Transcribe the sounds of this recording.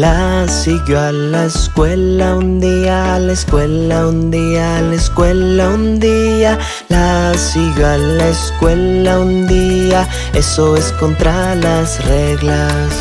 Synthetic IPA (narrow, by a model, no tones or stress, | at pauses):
la | siɣjoa | laeskwe̞laund̪ialaeskwe̞laund̪ialeskwe̞laund̪ia | lasiɣjoalaeskwe̞laund̪ia | e̞so̞eskont̪ɾalasre̞ɣla | s